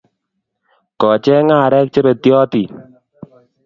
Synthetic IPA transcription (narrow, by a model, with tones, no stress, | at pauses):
kɔ˨t͡ʃɛ˦ŋa˦˨ɾɛ˦k̚t͡ʃe˦bɛ˨t̪jɔ˦t̪i˨